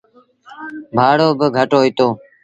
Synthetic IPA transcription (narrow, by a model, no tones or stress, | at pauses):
bʱaːɽoːbəɡʱəʈoːiːt̪oː